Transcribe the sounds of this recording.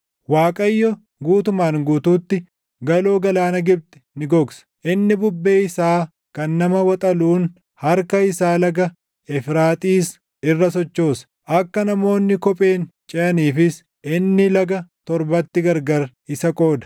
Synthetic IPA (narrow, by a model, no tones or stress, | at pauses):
waːkʼɐjːɔ | ɡuːt̪ʊmaːnɡuːt̪uːt̪ːɪ | ɡɐloːɡɐlaːnɐɡɪb̚t̪ɪ̥nɪɡɔɡsɐ̥ʔɪnːɪbʊbːe̞ːɪsaː | kɐnːɐmɐwɐt̪ʼɐluːn | hɐɾkɐɪsaːlɐɡɐ | ɛfɾaːt̪ʼiːs | ɪrːɐsɔt͡ʃːo̞ːsɐ̥ | ʔɐkːɐnɐmo̞ːnːɪkɔpʼe̞ːnt͡ʃʼɛʔɐniːfɪs | ɪnːɪlɐɡɐt̪ɔɾbɐt̪ːɪɡɐɾɡɐɾ | ɪsɐkʼo̞ːd̪ɐ̥